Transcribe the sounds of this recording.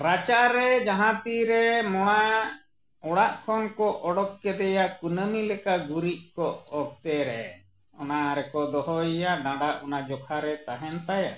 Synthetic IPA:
ɾat͡ʃaɾɛd͡ʒaɦãt̪iɾɛmɔɽ̃a | ɔɽaʔkʰɔnkɔʔɔɽɔkːɛd̪ɛjakunəmilɛkaɡuɾiʔ̚kɔɔk̚t̪ɛɾɛ̰ | ɔnaɾɛkɔd̪ɔɦɔjaɖãɖaʔunad͡ʒɔkʰaɾɛt̪aɦɛnt̪aja

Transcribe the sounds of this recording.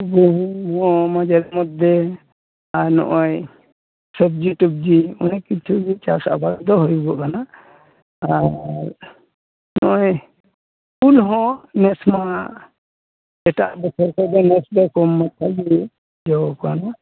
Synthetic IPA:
ɡuɦmɔmad͡ʒaɾɛmɔd̪ɛ | aɾnɔ̰ʔɔj | sɔbd͡ʒuʈub̚d͡ʒiɔ̰nikit͡ʃʰuɡit͡ʃasa̰baɡd̪ɔɦɔjuɡɔʔkana | aɾ | nɔ̰ʔɔj | ulɦɔ̃nɛsma | ɛʈa̰ʔbɔt͡ʃʰɔɾkɔd̪ɛnɛsd̪ɔkɔmːat̪ʰaɡi | d͡ʒɔɔkɔana

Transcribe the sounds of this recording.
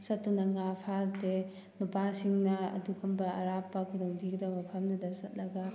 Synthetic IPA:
sɐtːunɐŋapʰalte | nupasiŋnɐɐ̰dukɐmbɐɐɾapːɐkʰudɔŋdʱikdamɐpʰɐmnɐdɐsɐt̚lɐɡɐ

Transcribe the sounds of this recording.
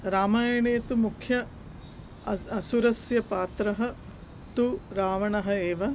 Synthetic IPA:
ɾaːmaːjɐɳeːt̪umukʰjɐ | ɐsuɾɐsjɐpaːt̪ɾɐɦɐ̆ | t̪uɾaːʋɐɳɐɦɐeːʋɐ

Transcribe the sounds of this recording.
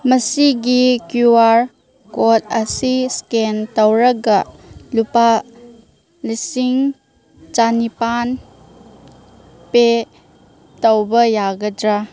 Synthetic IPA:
mɐsiɡikjuwaɾ | kot̚ʰɐsiskentɐwɾɐɡalupa | lisiŋ | t͡ʃanipan | pe | tɐwbɐjaɡɐdɾa

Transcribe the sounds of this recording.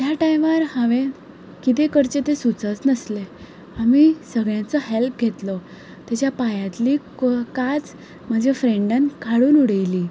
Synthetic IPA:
t̪jaʈajʋəɾhãʋen | kit̪̬ekəɾt͡ɕet̪esut͡sət͡snəsle | amisəɡɭjãt͡sɔɦelp̚ɡʱet̪lɔ | t̪jat͡ɕjapajãt̪li | kat͡s | m̤əɳd͡ʑefɾeɳɖənkʰaɽuːnuɽəjliː

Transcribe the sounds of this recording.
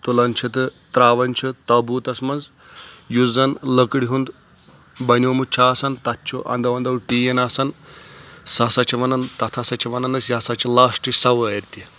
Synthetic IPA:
t̪ulɐnʲt͡ʃʰit̪ɨt̪ɾaːʋɐnʲt͡ʃʰit̪ɐbuːt̪ɐsmɐnz | juzɐnlɐkɽiɦund̪ | bɐnʲoːmut͡ʃʰaːsɐnt̪ɐtt͡ʃʰuʔɐ̰nd̪ɐʋɐnd̪ɐwʈiːjɐnaːsɐn | sɐsɐt͡ʃʰiʋɐnɐnt̪ɐt̪ʰɐsɐt͡ʃʰiʋɐnɐnɐsjasɐt͡ʃʰilaːsʈisɐʋɐɐɾt̪i

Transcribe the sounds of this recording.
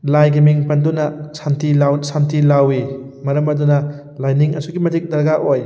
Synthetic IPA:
lajɡimiŋpɐndunɐsantʰilawsantʰilawimɐɾɐmɐdunɐ | lajniŋɐ̰suɡimɐdik̚dɐɾɡaʔoj

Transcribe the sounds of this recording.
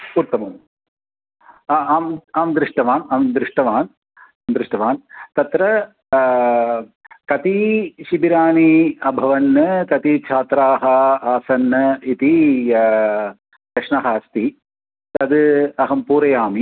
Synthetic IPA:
puːɾt̪ɐmɐm | aːmaːmd̪ɾɪʂʈɐʋaːnaːmd̪ɾɪʂʈɐʋaːn | amd̪ɾɪʂʈɐʋaːnt̪ɐt̪ɾɐ | kɐt̪iʃibiɾaːniɐbʱɐʋɐnːɐkɐt̪it͡ʃʰaːt̪ɾaːɦɐaːsɐnːɐit̪i | d̪ɐkʂɳɐɦaːst̪i | t̪ɐd̪ɨɐɦɐmpuːɾɐjaːmi

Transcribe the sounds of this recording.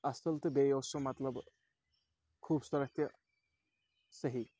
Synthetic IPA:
ɐst̪əlt̪ɨbejowsomɐt̪ləb | kʰuːbsɐɾək̚t̪ʰjə | səɦi

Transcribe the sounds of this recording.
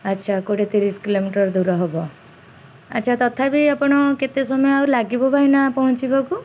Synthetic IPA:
ətːʃʰakoɽet̪iɾiskilomiʈɔɾd̪uɾɔɦɔbɔ | ə̰ːʃʰat̪ɔt̪ʰabiapɔɽ̃ɔket̪esɔmɔjɔawlaɡibɔbʱainapɔɦũt͡ʃibaku

